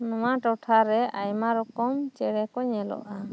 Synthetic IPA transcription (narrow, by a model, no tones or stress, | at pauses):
nɔmaʈɔʈʰaɾɛajmaɾɔkɔmt͡ʃɛɽɛkɔɲɛlɔ̰ʔa